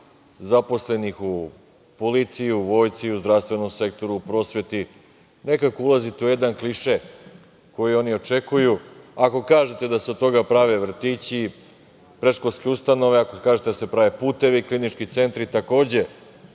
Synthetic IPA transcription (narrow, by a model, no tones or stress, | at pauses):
zapo̞sle̞nixu | polit̪sijuʋo̞ːjt̪siuzd̪ɾafst̪ʋe̞no̞mse̞k̚t̪o̞ɾuupɾo̞ːsʋe̞t̪i | ne̞kakoulˠazit̪euje̞d̪ankliʃe | ko̞jio̞nio̞t͡ʃe̞kujuako̞kaːʒe̞t̪e̞d̪ased̪t̪o̞ɡapɾaʋe̞ʋr̩t̪it͡ɕi | pɾe̞ʃkolskeust̪ano̞ʋeakokaːʒet̪ed̪ase̞pɾaʋe̞puːt̪e̞ʋiklinit͡ʃkit̪se̞nt̪ɾit̪ako̞ːd͡ʑe̞